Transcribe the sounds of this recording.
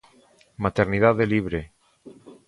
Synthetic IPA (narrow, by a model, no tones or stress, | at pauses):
mat̪eɾnið̞aðeliβɾe